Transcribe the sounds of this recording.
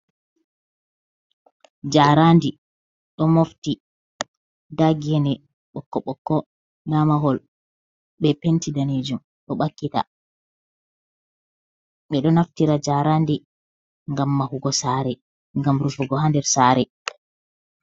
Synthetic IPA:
d͡ʒaɾandi | ɗɔmofti | daɡiɛnɛ | ɓɔkːɔɓɔkːɔ | namaɦɔl | ɓɛpentidaned͡ʒum | ɗɔɓakːita̰ | ɓɛɗɔnaftiɾad͡ʒaːɾandi | ŋɡamːahuɡɔsaːɾɛ | ŋɡamɾufuɡɔɦandɛɾsaːɾɛ

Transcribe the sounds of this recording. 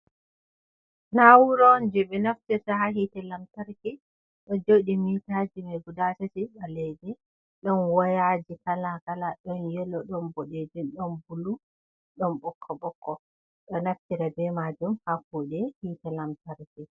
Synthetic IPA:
nawuɾɔnd͡ʒɛɓɛnaftisaɦaɦitɛlamtaɾkɛ | ɗɔd͡ʒoɗimitad͡ʒimɛɡudatatiɗalɛd͡ʒɛ | ɗɔnwajad͡ʒikalakalaɗɔnjɛlɔɗɔnbɔɗed͡ʒinɗɔnbulu | ɗɔnbɔkʰːɔɓɔkʰːɔ | ɗɔnaftiɾabɛmad͡ʒumhakuːɗɛhiːtɛlamtaɾkɛ

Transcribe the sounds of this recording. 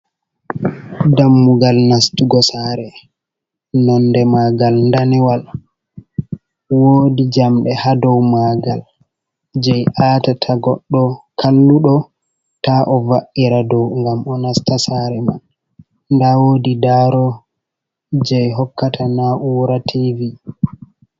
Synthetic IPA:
damːuɡalnastuɡɔsaɾɛ | nɔndɛmaɡalndanɛwal | wodid͡ʒamɗɛhadɔwmaɡal | d͡ʒɛjʔaːtatʰaɡɔɗːɔkʰalːuɗɔ | taʔɔvaʔːiɾadɔwŋɡamɔnastasaɾɛman | ndawodidaɾɔ | d͡ʒɛjɦɔkːatʰanaʔuwɾatʰivi

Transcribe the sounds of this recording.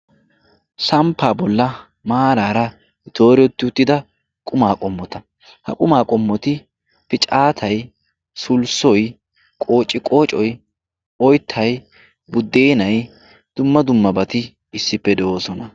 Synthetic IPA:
sɐmpʰːaːbɔlːɐ | maːɾaːɾɐ | ɪt̪o̞ːɾɪɔt̪ːɪʊt̪ːɪd̪ɐ | kʼʊmaːkʼɔmːɔt̪ɐ | hɐ̰kʼʊmaːkʼɔmːɔt̪ɪ | pɪt͡ʃʼaːt̪ʰɐj | sʊlsɔj | kʼo̞ːt͡ʃʼːɪkʼo̞ːt͡ʃʼɔj | ɔjt̪ʰːɐj | bʊd̪ːeːnɐj | d̪̥ʊmːɐd̪ʊmːɐbɐt̪ɪ | ɪsːɪpːɛd̪ɛoːsɔnɐ

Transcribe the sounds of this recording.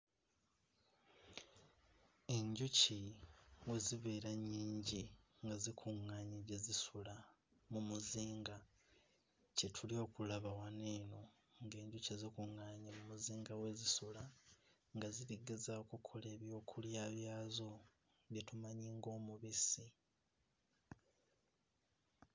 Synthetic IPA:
e̞ɲɟuciwe̞ziβe̞ːɾaɲːiːɲɟiŋɡazikʰuŋːaːɲiɟezisula | mumuziːŋɡa | ce̞tʰulio̞ːkulaβawane̞ːno̞ | ŋɡe̞ːɲɟucezikuŋːaːɲimumuziːŋɡawe̞zisula | ŋɡaziβiɡezaokukʰo̞le̞ːβjo̞ːkʰuljaːβjaːzo̞ | βjetumaɲiŋɡo̞ːmuβisi

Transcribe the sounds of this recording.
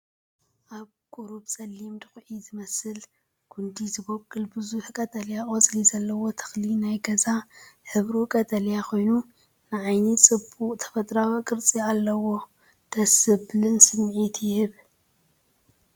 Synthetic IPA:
ʔaβ | kʼuɾubsʼɐlːimd̪ɨxʼʕizɨmɐsɨl | ɡ̥ʰund̪izɨbokʼːɨlbɨzuħkʼɐt̪ʼɐljaʔʼozʼlizɐlːɐwo̞t̪ʰɨ̥xlinajɡɐzaħɨβɾukʼɐt̪ʼɐljakʰo̞jnu | nɨʕajnit͡sʼɨbuʔʼt̪ʰɐ̥fɐt̪ʼɾawikʼɨɾt͡sʼialːɐwo̞ | d̪̥ɐsɨblɨnsɨmʕit̪ʰjɪhɨβ

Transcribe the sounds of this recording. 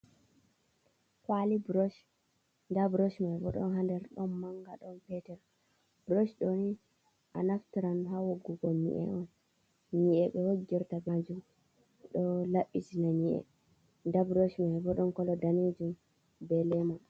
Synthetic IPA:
kwalibɾɔʃ | ndabɾɔʃmajbɔ̰ɗɔ̰nɦandɛɾɗɔnmaŋɡaɗɔnpɛtɛɾ | bɾoʃɗoni | ʔanaftiɾanɦawoɡːuɡɔmḭʔɛ̰ʔɔn | ɲiʔɛɓɛhoɡːiɾtabad͡ʒum | ɗɔlaɓːisinaɲiʔɛ̰ | ndabɾoʃmajbɔɗɔnkɔlɔdaned͡ʒum | bɛlɛmɔ

